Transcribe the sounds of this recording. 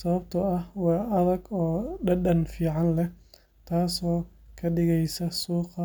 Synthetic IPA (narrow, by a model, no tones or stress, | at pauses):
sɐβɐbt̪ʰɐɐhwɑːʔɐðɐɡɔːɖɐɖɐnfiːʕɑnlɛ | t̪ʰaːsɔːkʰɐɖɪɣɛjsɐsuːqɐ